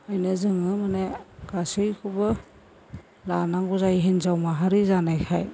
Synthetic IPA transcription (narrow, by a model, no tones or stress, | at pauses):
ajnɯzɯŋɯmaneɡ̥asɯjkʰubɯ | lanaŋɡuzajɦinzawmaɦaɾizanajkʰaj